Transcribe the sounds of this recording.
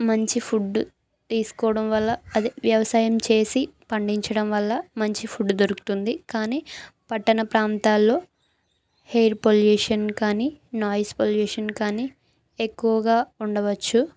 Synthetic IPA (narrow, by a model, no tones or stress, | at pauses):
mɐɲt͡ʃipʰuɖː | t̪iːsu̥kɔːɽɐmʋɐlːɐːd̪iʋjɐʋɐsaːjɐmt͡ʃe̞ːsipɐɳɖiɲt͡ʃɐɽɐmʋɐlːɐmɐɲt͡ʃipʰuɖd̪oɾuku̥t̪und̪ikaːniːpɐʈːɐnɐpɾaːnt̪aːlːo̞ː | hejɾpoljuːʂɐnkaːniːnaːjspoljuːʂɐnkaːniː | ekːuʋɐɡaːuɳɖɐʋɐt͡ʃːu